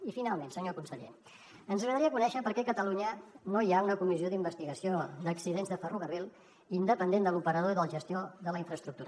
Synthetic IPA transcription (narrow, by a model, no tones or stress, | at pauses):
ifinalˠmẽnsəɲokunsəʎḛ | ənzəɣɾəðəɾiəkunɛʃəpəɾkɛkət̪əluɲənoiaunəkumizioðimbəst̪iɣəsiod̪əksiðenzðəfəruɣərilˠ | ind̪əpənd̪end̪əlupəɾəð̞oiðəlˠʒəst̪ijoðələiɱfɾəst̪ɾukt̪uɾə